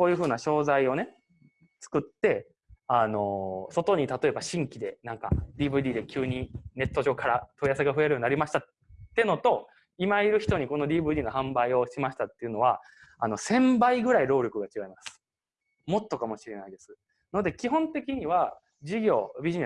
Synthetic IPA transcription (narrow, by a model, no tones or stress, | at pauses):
koːjɯ̟ɸɯ̟ːnaɕo̞ːzaio̞ne̞ | t͡sɨ̥kɯ̟t̪ːe̞ | ano̞so̞t̪o̞ɲ̟it̪at̪o̞e̞baɕĩŋkʲid̪e̞nãŋka̰d̪ʲiːbɯ̟id̪ʲiːd̪e̞kʲɯːɲ̟ine̞t̪ːo̞ʑo̞ːkaɾat̪oijaseɡaɸɯ̟eɾɯ̟oɲinaɾʲimaɕi̥t̪aː | eno̞t̪o̞ | imaiɾɯ̟çʲi̥t̪o̞ɲ̟iko̞no̞dʲiːbɯ̟id̪ʲiːno̞hãmbaio̞ɕimaɕi̥t̪at̪ːe̞iɯ̟no̞βa | ano̞sẽ̞mbaiɡɯ̟ɾaiɾo̞ːɾʲo̞kɯ̟ɡat͡ɕiɡaimasɨ̥ | mo̞t̪ːo̞kamo̞ɕiɾe̞naid̪e̞sɨ̥ | no̞d̪e̞kʲiɦõ̞nt̪e̞kʲiɲ̟iβa | d͡ʑiɡʲo̞ːbʲiʑine